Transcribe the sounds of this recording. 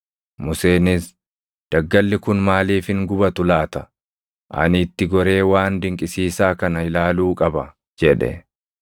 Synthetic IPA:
mʊse̞ːnɪs | d̪̥ɐɡːɐlːɪkʊnmaːliːfhɪŋɡʊbɐt̪ʊlaːt̪ɐ | ʔɐ̰nɪːt̪ːɪɡɔɾe̞ːwaːnd̪ɪŋkʼɪsiːsaːkɐnɐɪlaːluːkʼɐbɐ | d͡ʒɛᶑɛ̰

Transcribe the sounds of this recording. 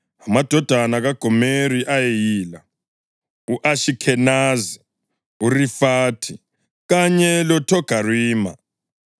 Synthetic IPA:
amad̥ʱɔd̥ʱanaɣaɡ̥ʱɔmeɾiʔajejiːla | uʔaʃikʰɛnazi | urifaːtʰi | ɣaɲɛlɔtʰɔɡ̥ʱariːma̰

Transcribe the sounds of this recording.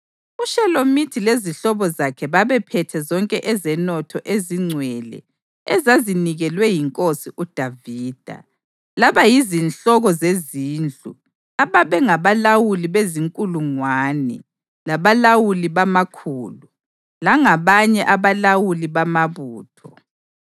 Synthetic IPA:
uʃɛlomitʰileziɬɔβɔzakʰɛβaβɛpʰɛtʰɛzɔŋkʼɛʔɛzɛnɔtʰɔʔeziŋ͡ǀʱwɛlɛ̰ | ɛzaziniɣɛlwɛjiŋkʼosiʔud̥ʱaviːd̥ʱa̰ | laβajizinɬɔɣɔzeziːnd͡ɮʼṵ | aβaβɛŋaβalawuliβeziŋkʼuluŋwaːnɛ̰ | laβalawuliβamakʰuːlu | laŋaβaɲɛʔaβalawuliβamaβuːtʰɔ

